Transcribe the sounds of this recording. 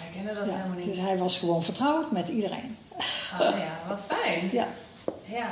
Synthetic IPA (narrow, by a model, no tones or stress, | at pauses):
ɛkɛnədjadøsɦɛjʋɔsxəʋoːnfərtrɔwtmɛtidərḛːn | ʋɔtfɛjnja | ja